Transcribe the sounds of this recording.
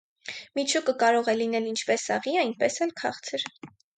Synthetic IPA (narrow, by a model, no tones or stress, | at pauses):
mit͡ʃʰukəkɑɾɔʁɛlinɛlint͡ʃʰpɛsɑʁiɑjnpɛsɛlkʰɑχt͡sʰəɾ